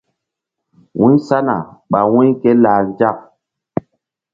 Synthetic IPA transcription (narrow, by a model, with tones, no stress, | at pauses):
wũ˦sa˦na̰˨ɓa˨wũ˦ɲke˦laː˨nd͡ʒa˦˨k̚